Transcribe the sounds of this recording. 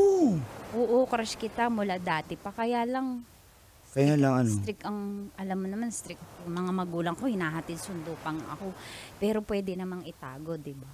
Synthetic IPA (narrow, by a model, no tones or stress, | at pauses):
oʔoːʔokɾaʃkɪt̪amʊlad̪aːt̪ɛpɐkɐjaːlɐŋ | kɐjalɐŋɐnst̪ɾɪkɐŋʔɐlamːonɐmanst̪ɾɪk̚ŋmɐŋamɐɡuːlɐŋko̞hɪnaːɦɐt̪ɪd̪̚sʊnd̪opɐŋʔɐ̰ko̞pɛːɾo̞pwɛːd̪ɛnɐmaŋɪt̪a̰ːɡo̞d̪ɪba